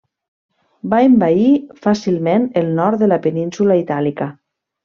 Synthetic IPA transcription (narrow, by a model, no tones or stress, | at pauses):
baembaifasilˠmenəlˠnɔɾt̪̚ðəlapeninsulait̪alikə